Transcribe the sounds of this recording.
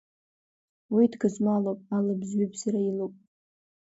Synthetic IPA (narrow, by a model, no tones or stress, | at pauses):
widɡɨzmalowpʼalɨbzɥibsaɾailowpʼ